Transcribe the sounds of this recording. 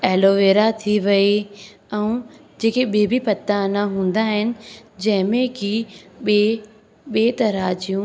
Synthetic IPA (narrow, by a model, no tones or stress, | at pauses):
ɛːloːʋeːɾat̪ʰiʋɐe | ɛ̃ũd͡ʑeːkeɓebʱipɐt̪ːanaɦũːn̆d̪aɦɪnɪ̆d͡ʑɐ̃ɦɪ̃mẽkiɓe | ɓeːt̪ɐɾaːt͡ɕijũ